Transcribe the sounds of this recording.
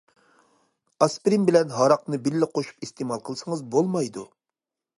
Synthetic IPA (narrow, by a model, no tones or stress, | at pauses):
ɑspɾimbɪlɛnɦɑɾɑq̚nɨbilːɪqʰoʃu̥pist̪emɑlˠqʰəlˠsəŋəzbolˠmɑjd̪u